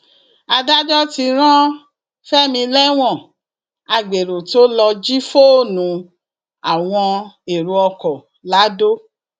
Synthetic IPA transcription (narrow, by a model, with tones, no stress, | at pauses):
a˧da˦d͡ʒɔ˦ti˧ɾ̃ã˦ | fɛ˦mĩ˧lɛ˦w̃ɔ̃˦˨ | a˧ɡ͡be˨ɾo˨to˦lɔ˧d͡ʒi˦fo˦˨nũ˨˦ | a˨w̃ɔ̃˧e˨ɾu˧ɔ˧kɔ˨ | la˨˦do˦